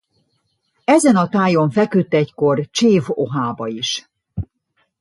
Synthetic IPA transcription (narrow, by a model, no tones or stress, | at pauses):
ɛzɛnɒt̪aːjo̞ɱfɛkyt̪ːɛcko̞rt͡ʃeːvoɦaːbɒiʃ